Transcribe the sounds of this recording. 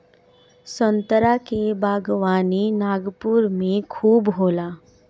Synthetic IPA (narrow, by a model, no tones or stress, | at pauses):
sənt̪əɾakebaːɡʋaːninaːɡpuɾmẽkʰuːbɦoːla